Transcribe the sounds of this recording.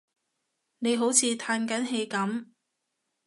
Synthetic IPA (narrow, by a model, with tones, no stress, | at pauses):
ne˨˧jɦo˨˥wt͡sʰiː˧t̪ʰaː˧nkɐ˨˥nɦe˨˧jkɐ˨˥m